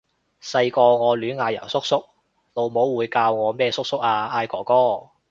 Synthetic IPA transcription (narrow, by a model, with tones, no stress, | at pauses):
sɐ˧jkɔː˧ŋɔː˨˧lyː˨˥nŋaː˨˧jɐ̰˨˩sʊ˥k̚sʊ˥k̚ | lo˨˧wmo˨˥wwuː˨˧jkaː˧wŋɔː˨˧mɛː˥˧sʊ˥k̚sʊ˥k̚aː˧aː˧jkɔː˨˩kɔː˥